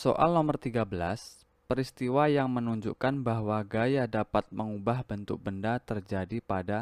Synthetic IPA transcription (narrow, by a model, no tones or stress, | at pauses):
so̰ʔa̰lnɔmərt̪iɡabəlas | pəɾist̪iwajaŋmənuɲd͡ʒṵkanbaɦwaɡajadapat̪̚məŋubahbənt̪ʊk̚bəndat̪ərd͡ʒadipada